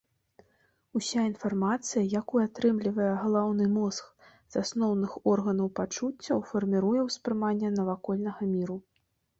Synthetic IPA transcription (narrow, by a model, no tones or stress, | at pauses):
usʲainfarmat̪sɨjɐjakuat̪ɾɨmlʲivɐjɛɣɐlˠawnɨmɔsk | z̥asnɔwnɨxɔrɣɐnɐwpat͡ʂut͡sʲːɐwfɐrmʲiɾujɛwspɾɨmanʲːɛnɐvakɔlʲnɐɣɐmʲiɾu